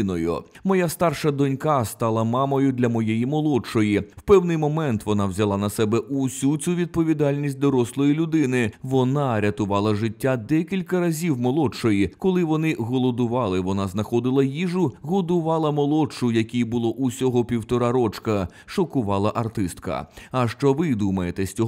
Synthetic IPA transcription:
nɔjʊ̰mɔjast̪ɑrʃɐd̪ɔnʲkɑst̪ɑlˠɐmɑmɔjʊd̪lʲɐmɔjejimɔlˠɔt͡ʃɔjiwpɛwnɪjmɔmɛnt̪ʋɔnɑwzʲɐlˠɑnɐsɛbɛʔʊsʲut͡sʲuʋʲid̪̚pɔʋʲid̪ɑlʲnʲisʲt̚ʲd̪ɔɾɔslˠɔjilʲʊd̪ɪnɪʋɔnɑɾʲɐt̪ʊʋɑlˠɐʐɪtʲːad̪ɛkʲilʲkɐɾɐzʲiwmɔlˠɔt͡ʃɔjikɔlˠɪʋɔnɪɣɔlˠɔd̪ʊʋɑlˠɪʋɔnɑznɐxɔd̪ɪlˠɐjiʐʊɣɔd̪ʊʋɑlˠɐmɔlˠɔt͡ʃʊjɐkʲijbʊlˠɔʔʊsʲɔɦɔpʲiwt̪ɔɾɑɾɔt͡ʃkɐ | ʃɔkʊʋɑlˠɐʔɐrt̪ɪst̪kɐ̰ɐʃt͡ʃɔʋɪd̪umɐjet̪ɛsʲt͡sʲɔɦ

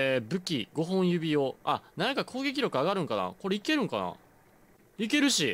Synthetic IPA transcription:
ebɯ̟kʲiɡo̞ɦõ̞ɰ̃jɯ̟bʲijo̞anãŋkakʰo̞ːɡe̞k̬ʲiɾo̞kɯ̟aɡaɾɯ̟̃ŋkana̰ko̞ɾeike̞ɾɯ̟̃ŋkana̰ | ike̞ɾɯ̟ɕi

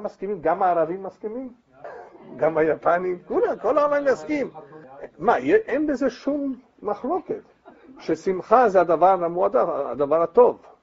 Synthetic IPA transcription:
amːaskimimɡamaːʁavimːaskimim | ɡamhajapanimkulamkolaavamjaskim | majeʔenbezeʃumː | aχlo̞ket̪ | ʃesimχazead̪avaʁamuad̪aa̰d̪avaʁhat̪o̞v

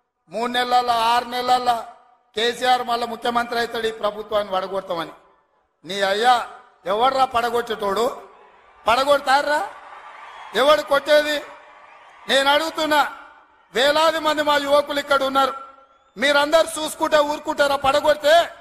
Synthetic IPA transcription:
muːɽunɛlːɐlːɐaːɾunɛlːɐlːɐ | keːsijaːɾmɐlːɐmukʰjɐmɐnt̪ɾɐjt̪ɐɽiːpɾɐbʱut̪ʋaːnːiʋɐɽɐɡɔɽt̪ɐmɐni | niːɐjːaː | ɛʋːɐɽɾaːpɐɽɐɡoʈːeʈoːɽu | pɐɽɐɡɔɽt̪aːɾːaː | ɛʋɐɽukoʈːeːd̪i | ne̞ːnɐɽuɡut̪unːaː | ʋɛːlaːd̪imɐnd̪imaːjuʋɐkulikːɐɽunːaːɾu | miːɾɐnd̪ɐɾit͡ʃuːsu̥kuɳʈeːuːɾkuɳʈeɾaːpɐɽɐɡɔɽit̪e̞ː

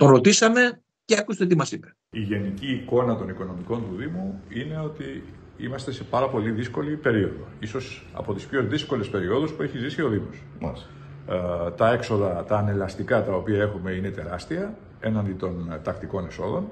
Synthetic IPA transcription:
t̪o̞nɾo̞t̪isɐme̞ | ceɐkust̪et̪imɐsipe̥ | iʝe̞niciːko̞nɐt̪o̞niko̞no̞miko̞nt̪uðimuine̞o̞t̪iimɐst̪e̞se̞pɐɾɐpo̞liðisko̞lipe̞ɾio̞ðo̞̰iso̞s | ɐ̰po̞t̪i̥spço̞ðisko̞le̞spe̞ɾio̞ðuspue̞çizisio̞ðimo̞s | t̪ɐe̞kso̞ðɐt̪ɐːne̞lɐst̪ikɐt̪ɐo̞piɐe̞xume̞ine̞t̪e̞ɾɐst̪iɐ | e̞nɐnd̪it̪o̞nt̪ɐkt̪iko̞ne̞so̞ðo̞n

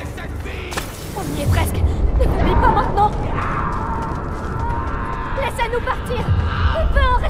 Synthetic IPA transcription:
ɔ̃viɛpʁɛsknəpybipamɛ̃t̪nɑ̃ | lɛsanupaʁt̪iːʁɔ̃pøɑ̃ʁɛ

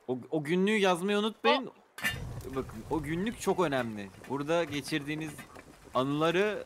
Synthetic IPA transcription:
oo̞ɟynlʲyːjazmajunut̪̚majin | bakʰɯno̞ɟynlʲyc̚ʲt͡ʃʰo̞kø̞næmlʲɪbuɾd̪aɟe̞t͡ʃʰiɾd̪iːnizanɯlˠaɾɯ

